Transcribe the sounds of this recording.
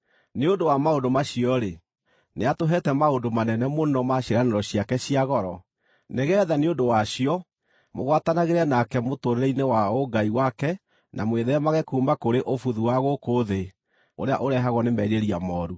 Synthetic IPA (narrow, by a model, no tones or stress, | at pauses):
neodowamaondomaɕiɔɾe | neatoɦɛtɛmaodomanɛnɛmonɔmaɕeɾaneɾɔɕiakɛɕiaɣɔɾɔ | neɣɛːðaneondowaɕiɔ | moɣwatanaɣeɾɛnakɛmotoɾeɾɛinewaoɡaiwakɛ | nʔa̰mweðɛmaɣɛkuːmbakoɾeʔofuðuwaɣokoðe | o̰ɾea̰ʔoɾɛɦaɣɔnemɛɾeɾiamɔːɾu